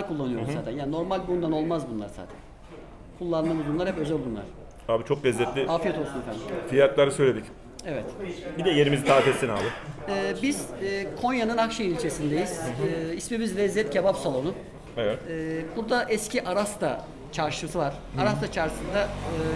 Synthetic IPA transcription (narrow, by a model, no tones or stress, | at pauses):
kʰulˠːanɯjo̞muzaːt̪ʰænjaːnino̞ɾmalʲbund̪ano̞lˠmazbunlˠa̰ɾsa̰ːt̪ʰæn | kʰulˠːanˠɯmɯzbunlˠaɾhɛpø̞zɛlʲbunlˠa̰ɾ | aːbit͡ʃʰo̞kvɛzːɛt̪lʲiaːfijat̪olˠsunefænd̪imfijat̪lˠaɾɯsøjlʲed̪ic | ɛvɛt̪bid̪ɛjeɾimizt̪ʰaːt̪ʰɛst̪ina̰ːlˠɯɛːbiz̥ːkʰo̞njanɯnakʃailʲt͡ʃʰe̞sind̪e̞jiz̥ismimizlɛzːɛt̪cʰebapsalˠo̞nʊ | ɛvɛt̪ːbuɾd̪aʔɛscʰiʔaɾast̪ʰa | t͡ʃʰaɾʃɯsɯvaɾ̥aɾast̪ʰat͡ʃʰaɾsɯnd̪aɯː